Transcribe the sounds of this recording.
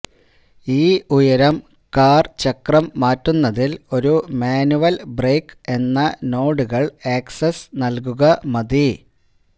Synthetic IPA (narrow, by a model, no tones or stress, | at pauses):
iːujɐɾɐm | kaːrt͡ɕɐkrɐmːaːtːunːɐðilo̞ɾumaːnuʋɐlbreːke̞nːɐno̞ːɽuɣɐɭeːksesnɐlk̬uɣɐmɐði